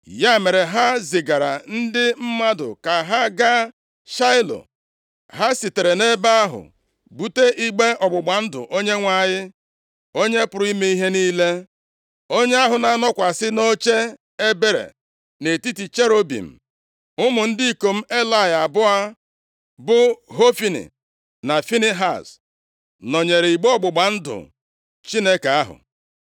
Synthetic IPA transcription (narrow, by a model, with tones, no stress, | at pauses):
ja˦˨me˨ɾe˨ɦa˦zɪ˨ɡa˨ɾa̰˨n̩˦dɪ˦m̩˦ma˦dʊ̰˨ka˨ɦa˦ɡa˦ | ʃa˦ɪ˦lo̰˨ | ɦa˦si˨te˨ɾe˨ne˦ba˦a˦ɦʊ̰˨ | bu˦te˦ʔi˦ɡ͡be˦ʔɔ˨ɡ͡bʊ˨ɡ͡ba˨n̩˦dʊ̰˨ʔo˦ɲe˦ŋʷa˦˨ɲɪ˦ | o˦ɲe˦pʊ˨ɾʊ˦i˦me˦i˦ɦe˦niː˦le˦ | o˦ɲe˦a˦ɦʊ˨na˨˦nɔ˦kʷa˨sɪ˦no˦t͡ʃe˦ | e˦be˦ɾḛ˨ | ne˨ti˦ti˨t͡ʃe˦ɾo˦bḭ˨m̩˨ | ʊ˦mʊ˨n̩˦dɪ˦i˦ko˨m̩˦e˦la˦˨ja˨bʊ˦a˦ | bʊ˦ɦo˦fi˦nḭ˨ | na˨fi˦ni˦ɦa˦˨s | nɔ˨ɲe˨ɾe˨i˨ɡ͡be˦ɔ˦ɡ͡bʊ˨ɡ͡ba˨n̩˦dʊ̰˨ | t͡ʃi˦ne˦ka˨a˦ɦʊ̰˨